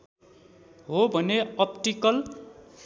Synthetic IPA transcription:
ɦobʱʌneʌpʈikʌl

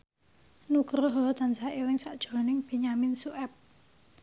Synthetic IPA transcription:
nukɾɔɦɔt̪ansaʔiwɪŋsaʔd̥ʒ̥ɔ̤nɪŋb̥i̤ɲaminsuʔɛp̚

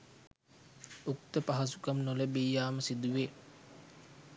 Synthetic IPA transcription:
ukt̪əpaɦasukɐmnoləbijjaːməsid̪uʋe

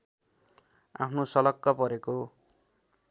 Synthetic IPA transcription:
a̰pʰnosʌlʌkːʌpʌɾeko

